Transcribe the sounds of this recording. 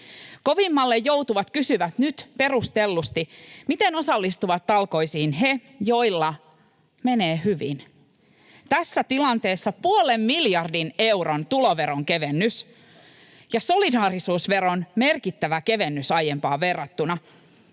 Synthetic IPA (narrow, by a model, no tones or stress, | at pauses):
ko̞ʋimːɑlːejːowt̪uʋɑt̪kysyʋæt̪nyt̪pe̞rust̪elːust̪imit̪eno̞sɑlːist̪uʋɑt̪ːɑlko̞isiːnɦe̞ | jo̞ilːɑ | me̞neːɦyʋḭn | t̪æsːæt̪ilɑnt̪e̞ːsːɑpuolemːiljɑrdine̞wɾont̪uloʋe̞ɾoŋke̞ʋenːys | jɑso̞lidɑːɾisuːsʋe̞ɾo̞nme̞rkit̪ːæʋæke̞ʋenːysɑjempɑːʋe̞rːɑt̪ːunɑ